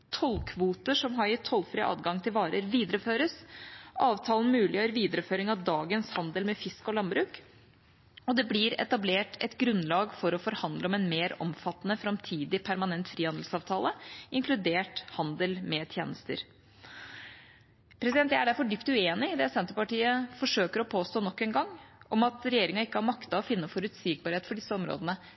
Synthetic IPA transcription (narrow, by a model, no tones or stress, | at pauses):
t̪ʰɔlkʰʋuːt̪əʂɔmɦɑɾɪt̪ʰɔlːfɾiʔɑ̰ːd̪ɡɑŋt̪ʰɪlʋɑːɾəɾʋiːd̪əɾəføːɾəsʔɑːʋt̪ʰɑːln̩mʉːlɪjøːɾəɾʋiːd̪əɾəføːɾɪŋɑd̪ɑːɡənshɑnd̪əlmɛfɪskɔlɑnbɾʉːk | ɔd̪ɛblɪɾɛ̰t̪ɑbleːʈɛ̰t̪ɡɾʉnlɑːɡfɔɾɔfɔɾhɑnd̪ləɔmɛnmeːɾɔ̰mfɑt̪ːnəfɾɑmt̪ʰiːd̪ɪpʰæɾmɑnɛnt̪fɾiːhɑnd̪l̩sɑːʋt̪ʰɑːləɪŋkʰlʉd̪eːʈhɑnd̪əlmɛt̪ʰjḛːnəst̪ə̰ɾ | pʰɾɛsɪd̪ɛnt̪jæɪæɖæɾfɔɖʏpt̪ʉeːnɪd̪ɛsɛnt̪əpɑʈiːəfɔʂøːkəɾɔpʰoːst̪oːnɔkːɛːnɡɑŋːɔmɑt̪ɾɛjeːɾɪŋɑɪkːəhɑɾmɑkt̪ɑɔfɪnːəfɔɾʉt̪siːɡ̚bɑɾheːt̪fɔɖɪsːəɔmɾo̰ːd̪ənə